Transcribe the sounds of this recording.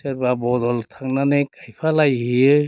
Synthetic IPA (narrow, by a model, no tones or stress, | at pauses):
seɾbabɔd̪ɔlt̪ʰaŋnanɯkajpʰalajɦiɯ